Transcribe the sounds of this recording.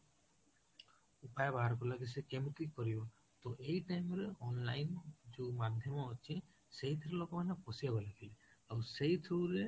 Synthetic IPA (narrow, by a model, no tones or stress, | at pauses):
upajɔbaɦaɾɔkɔlaɡis̬ɛkemkɾikɔɾibɔ | t̪ɔʔejʈajmɾeʔɔnlajnd͡ʒumad̪ʱjɔmɔːt͡ʃʰĩ | seit̪ʰɾɛlɔɡɔmanɛpɔsijabɔlaɡilawset̪ʰuɾe